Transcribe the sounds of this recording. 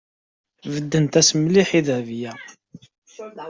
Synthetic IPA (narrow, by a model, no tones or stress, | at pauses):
vəd̪ːənt̪æsmliħiðvjæ